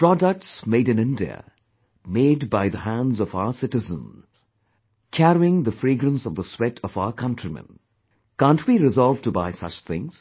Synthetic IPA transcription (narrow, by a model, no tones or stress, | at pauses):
pɹɔdək̚ʈsmeɪɾɨ̃nɪ̃ndiə̰ | meɪdbaɪðəɦæ̃nzɔvaʊə˞sɪtɨzə̰̃nz̥ | kʰæɾiɪ̃ŋðəfɹiɡɾə̃nsʌvðəswɛtʰʌvaʊə˞kʰʌ̃ntʰɹ̥imə̰̃n | kãːntʰwiɾɨzɔlˠvtuba̰ɪsʌ̰t͡ʃθɪ̰̃ŋz̥